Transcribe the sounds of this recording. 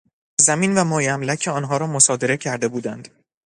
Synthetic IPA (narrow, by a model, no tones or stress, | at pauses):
zæmiːnvæmɒːjæmlæcʲʰeɒːnɦɒːɾɒːmosɒːd̪e̞ɾe̞cʰæɾd̪e̞buːd̪ænd̪